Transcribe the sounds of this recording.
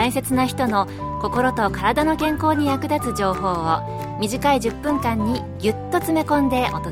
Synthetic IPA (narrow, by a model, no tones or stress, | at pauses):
aĩse̞t͡sɨnaçi̥t̪o̞no̞ | ko̞ko̞ɾo̞t̪o̞kaɾad̪ano̞kẽ̞ŋko̞ːɲ̟ijakɯ̟d̪at͡sɨʑo̞ːɦo̞ːo | mʲiʑikaiʑɨpːɯ̟̃ŋkãɲ̟ːi | ɡʲɯt̪ːo̞t͡sɨme̞kõ̞nd̪e̞ʔot̪o